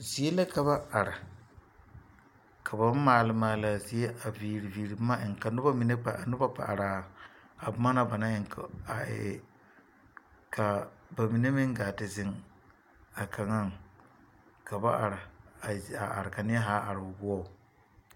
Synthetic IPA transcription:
zi˨e˦la˦ka˨βa˦a˨ɾɪ˨ | kʰa˨ba˨˦m˦maː˨lɪ˨˦maː˨la˨zi˨e˦ʔa˨viː˨ɾi˨viː˨ɾɪ˨˦ma˦ʔɪ˨ŋ˨ka˨nʊ˦ba˦mi˨ne˦k͡pa̰˨a˨nʊ˦ba˦k͡pa̰˨ʔa˨ɾaː˨ | a˨bʊ˦ma˦na˦ba˨na˦ɪ˨ŋka˨ɪ̰˨ | kʰa˨ba˨mi˨ne˦mɪ˦ŋ˦ɡaː˨tɪ˨zɪ˨ŋ | a˨kʰa˨ŋa˦˨ŋ | ka˨ba˦ʔa˨ɾɪ˨a˨a˨ʔa̰˨ɾɪ˨ka˨nɪ˦ɛ˦ɦaː˦ʔa˨ɾɪ˨bʊ˨bʊ˦ɔ˦˨

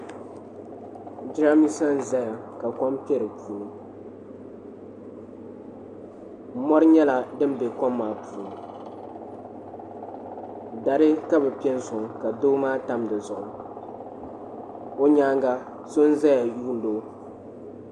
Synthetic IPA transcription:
d͡ʒɪ˦ɾa˦mi˦sa˦n̩˦za˦ja˨ | ka˨kɔ˦mpɛ˦ɾɨ˨puː˨lɨ˦m˦ | mɔ˦ɾɨ˦ɲɛ˦la˨dɨ˦m˦bɛ˨kɔ˦mːaː˨˦pu˨n˨ | da˨ɾɨ˦ka˦bɛ˨pi˦ɛ˦n˦zʊ˨ŋ˨ka˨doː˦maː˦ta˦mdɨ˨zʊ˨ʔʊ˨ɨ˨ | o˦ɲaː˦ŋɡa˦ | so˦n̩˦za˦ja˨ju˦n˦do˦

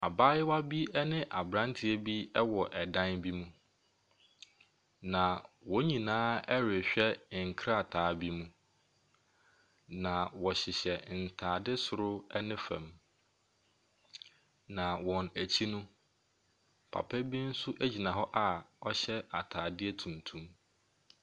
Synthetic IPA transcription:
a˨baː˦jɪ˦wa˦bi˦ɛ˦nɪ̃˦ʔa˨bɾã˦n˦tʰɪ˨ɛ˦bi˦ɛ˦wɔ˨ʔɛ˨dã˦nbi˦mũ˦ | nã˨wɔ˨˦ɲĩ˨nãː˦ɛ˦ɾɪ˨ɕᶣɛ˦˨ŋ̩˨kʰɾa˦a˨tʰaː˨˦˨bi˦mũ˦ | nã˨wɔ˨ɕɪ˨ɕɛ˨n̩˨tʰaː˨dɪ˦sʊ˨ɾʊ˦ɛ˦nɪ̃˦fɛ̰̃˨m | nã˨wɔ̃˨næ˨t͡ɕʰi˦nũ˦ | pʰa̰˨pʰɛ˦bi˦n̩˦sʊ˦ʔæ˦d͡ʑi˨nã˨ɦɔ˦ʔa˨ɔ˦ɕɛ˦a˨tʰaː˨dɪ˦ɛ˦tʰũ˨ntʰũ˦m

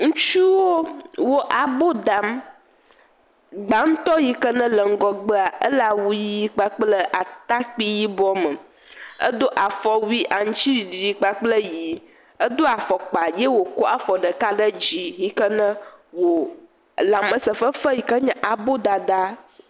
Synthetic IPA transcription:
ŋũ˦t͡ʃu˦wo˦wo˦ʔa˨bo˦d̪a˨m | ɡ͡ba˨˦ŋ̩˦t̪ɔ˦ji˨kə˦nə̃˦lə˨ŋ̩˦ɡɔ˨ɡ͡bə˦a˨ʔə̰˦la˨wu˦ji˦k͡pa˦k͡plə˦ʔa˨t̪a˦k͡pi˦ji˦bɔ˦mə˨ | ə̰˦d̪o˦ʔa˨fɔ˦wi˦ʔa˨ŋ̩̃˦t͡ʃi˦˨d͡ʒi˨i˨k͡pa˦k͡plə˦ji˨ | ə˦d̪o˦a˨fɔ˨k͡pa˨jɛ˦wo˨ko˦a˨fɔ˨ɖə˨ka˦ɖə˦d͡ʑi˦ji˦kə˦nə̃˦wo˨ | la˨mə˨sə˨fə˦fə˦ji˨kə˦ɲɛ̃˦ʔa˨bo˦d̪a˨d̪a˦

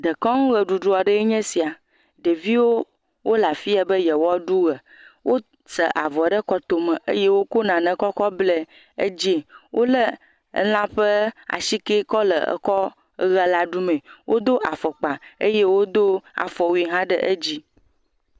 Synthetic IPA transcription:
d̪ə˨kɔ̃˦ŋũ˦ɣə˨ɖu˨ɖu˦a˨ɖə˦ɲɛ̃˦si˨a˨ | ɖə˨vi˦wo˦ | wo˦la˨fi˦a˨bə˦jɛ˨wɔ˦ɖu˦ɣə˨ | wʔo˦ | sə̰˨ʔa˨vɔ˨ɖə˦kɔ˦t̪o˨mə̃˨ʔḛ˦je˦wo˦ko˦nã˨nə̃˨kɔ˦kɔ˦ble˦ | ḛ˦d͡ʑi˦˨wʔo˦lə˦ | ə̰˦l̃ã˦ɸə˦a̰˨si˦ke˦kɔ˦lə̰˨ə̰˨kɔ˦ | ɣə˦la˦ɖu˦mɛ̃˨wʔo˦d̪o˦ʔa˨fɔ˨k͡pa˨ḛ˦je˦wo˦d̪o˦a̰˨fɔ˨wi˨˦ɦã˦ɖə̰˦ʔə˦d͡ʑi˦

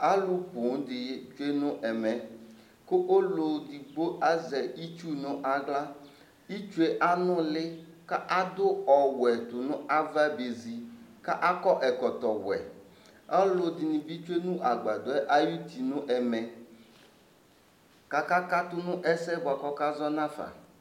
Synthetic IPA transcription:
a˦lʊ˦pʊ˨˦n˦d̪ɪ˨˦t͡ʃu˦e˦nʊ̃˦ʔɛ˨mɛ̃˨ | ko˦ʔo˦lo˨d̪i˨ɡ͡bo˦ʔa˦zɛ˨i˦t͡ʃu˦nʊ̃˦ʔa˨ɡla˦ | i˦t͡ʃu˦e˦ʔa˦nʊ̃˦lɪ˦ka˦ʔa˦d̪ʊ˦ɔ˨wɛ˨t̪ʊ˨nʊ̃˦a˦va˦be˨zi˨ka˦ʔa˦kɔ˦ʔɛ˨kɔ˨t̪ɔ˨wɛ̰˨ | a˦lo˨d̪ɪ˨nĩ˨bi˦t͡ʃu˦e˦nũ˦ʔa˨ɡ͡ba˨d̪ɔ˨˦ɛ˦ʔa˦ju˦t̪i˨nʊ̃˦ʔɛ˨mɛ̃˨ | ka˨ka˦ka˦t̪ʊ˦nʊ̃˦ʔɛ˦sɛ˦bʊ˨a˨kɔ˦ka˦zɔ˦nã˦fa̰˨

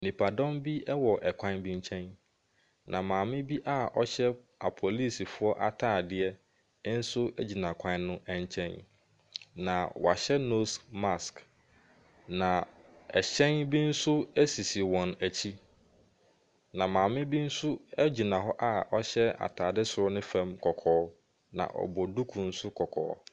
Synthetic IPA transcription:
nĩ˨pʰa˨dɔ̃˦mbi˦ɛ˦wɔ˨ʔɛ˨kʷʰã˦nbĩ˦ɲ˦t͡ɕʰɛ̃˦n | nʔã˨mãː˨mɪ̃˦bi˦ʔa˦˨ɔ˦ɕɛ˦ | a̰˨pʰo˨li˦˨si˨fʊ˦ɔ˦ʔa˨tʰaː˨dɪ˦ɛ˦ | n̩˦sʊ˦æ˦d͡ʑi˨nã˨kʷʰã˦nnʊ̃˦ɛ̃˦ɲ˦t͡ɕʰɛ̃˦n | nã˨wa˨ɕɛ˦no˦sma˦˨sk | nã˨ | ɛ̰˨ɕɛ̃˦nbi˦n̩˦sʊ˦æ˦si˨si˨wɔ̃˨næ˨t͡ɕʰi˦ | nã˨mãː˨mɪ̃˦bi˦n̩˦sʊ˦ɛ˦d͡ʑi˨nã˨ɦɔ˦ʔa˦ɔ˦ɕɛ˦a̰˨tʰaː˨dɪ˦sʊ˨ɾɔ˦nɪ̃˦fɛ̃˦mkʰɔ˨kʰɔː˦ | nã̰˨ʔɔ̰˨bɔ˨du˦kʰũ˨n̩˦sʊ˦kʰɔ˨kʰɔ̰ː˨˦

